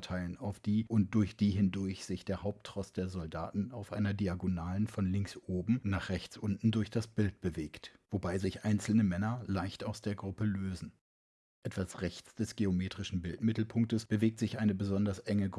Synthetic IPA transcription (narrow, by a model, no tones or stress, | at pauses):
tʰaɪlənaʊfd̥iːʔʊnt̚d̥ʊɐçd̥iːɦɪndʊɐçz̥ɪçd̥eːɐhaʊp̚tʁ̥ɔstd̥eːɐzɔlda̰ːtn̩aʊfʔa̰ɪnɐdiaɡonaːlənfɔnlɪŋksʔoːbm̩naːχʁ̥ɛçt͡sʔʊnʔn̩dʊɐçd̥asb̥ɪlt̚b̥əveːktv̥obaɪzɪçʔaɪnt͡sl̩nəmɛnɐlaɪçtaʊsd̥eːɐɡʁʊpəløːzn̩ | ʔɛtv̥asʁɛçt͡sd̥ɛsɡ̥eomeːtʁ̥ɪʃn̩bɪltmɪtl̩pʰʊŋk̚təsb̥əveːk̚tz̥ɪçʔaɪnəbəzɔndɐsʔɛŋəɡ